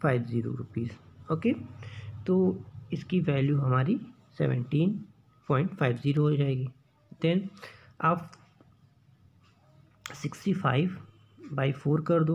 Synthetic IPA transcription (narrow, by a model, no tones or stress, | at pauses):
fʰaːɪbziːɾo̰ɾʊpiːzoːkeːt̪oːɪskiʋɛːljuɦɐmaːɾi | sɛ̰ʋə̰̃ɳʈĩːn | pɔːɪ̃ɳʈfaːɪbziːɾoɦod͡ʒaːeːɡi | d̪ɛn | aːp | sɪksʈifʰa̰ːɪʋ | baːifoːɾkɐɾd̪oː